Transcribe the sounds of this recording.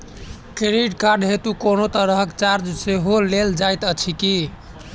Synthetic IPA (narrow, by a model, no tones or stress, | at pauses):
keɾiɖkaɾɖɦet̪ukonot̪əɾəɦəkt͡ʃaɾd͡ʒseɦoleld͡ʒajt̪ət͡ʃʰiki